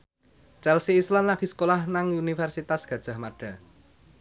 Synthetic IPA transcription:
t͡ʃɛlsiːslanlaɡ̥isə̥kolahnaŋunifɛrsit̪asɡ̥ä̤d̥ʒ̥a̤hmaɖ̥ä̤

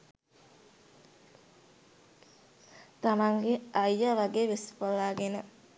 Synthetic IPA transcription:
t̪ɐmaŋɡeʔɐjːaʋɐɡeːʋespolaːɡenə

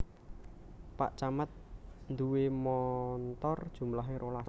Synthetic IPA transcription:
pa̰ʔt͡ʃamət̪̚nd̪uwemɔnt̪ɔrd̥ʒ̥ṳmlaɦeɾola

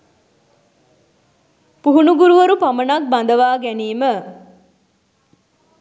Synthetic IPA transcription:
puɦunuɡuɾuʋɐɾupɐmɐnak̚bɐnd̪ɐʋaːɡæniːmə

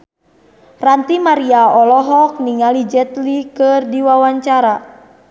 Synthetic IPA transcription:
rant̪imaɾiaɔlɔɦɔk̚niŋalid͡ʒɛt̪likɨrdiwawaɲt͡ʃaɾa

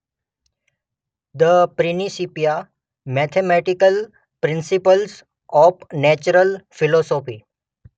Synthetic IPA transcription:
d̪əpɾinisipija | mɛt̪ʰemɛʈikəl | pɾɪ̃nsipəls | ɔpnɛt͡ɕəɾəlfilɔsɔfi

